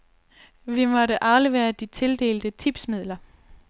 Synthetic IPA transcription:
ʋimɒ̽ɾəʔɑ̈ʊle̝ʋe̝̰ːɐd̥it͡sʰe̝ld̥e̝̰ːld̥ət͡sʰib̥smið̰ˠlɐ

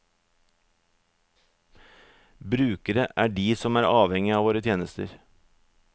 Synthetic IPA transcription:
bɾʉːkəɾəʔæːɖiːsɔmæːɾɑːʋɛŋɪɑːʋoːɾət̪ʰjeːnəst̪ə̰ɾ

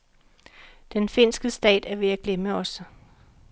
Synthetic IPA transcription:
d̥enfe̝n̰sɡ̥əsd̥ɛ̰ːd̥æɐʋe̝æɡ̥leməɒ̽sə

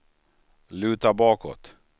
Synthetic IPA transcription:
lʉ̟ːt̪abɑːkɔ̰t̪

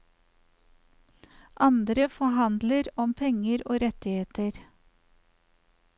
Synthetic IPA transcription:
ʔɑnd̪ɾəfɔhɑnd̪ləɾɔmpʰɛŋəɾo̰ːɾɛt̪ɪheːt̪əɾ

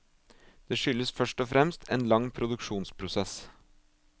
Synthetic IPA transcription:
d̪̥eːʂʏlːəsfœʂʈɔfɾɛmst̪ʰeːnlɑŋpʰɾʊd̪ʉkʂuːnspʰɾʊsɛs

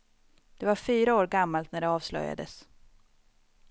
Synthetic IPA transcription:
d̪̥ɛvaɾfyːɾaoːɾɡamːalt̪næɖɛɑːvslœ̰ja̰d̪ə̰s

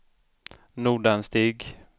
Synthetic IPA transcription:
nuːɖanst̪iːɡ

